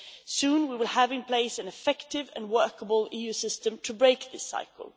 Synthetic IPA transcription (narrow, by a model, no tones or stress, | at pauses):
sũnwiwɪlˠhævɪ̃npʰl̥eɪsɨ̃nɨfɛktɪvɨ̰̃nwɜ˞kəbəl̩ˠijʉsɪstɨ̃mtʰɨbɹeɪk̚ðɪsa̰ɪkʰl̩ˠ